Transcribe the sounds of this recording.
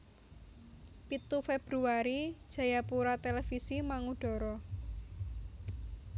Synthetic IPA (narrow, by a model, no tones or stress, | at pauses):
pit̪ufeb̥ɾuaɾid̥ʒ̥a̤japuɾat̪elɛfisimaŋuɖ̥ɔ̤ɾɔ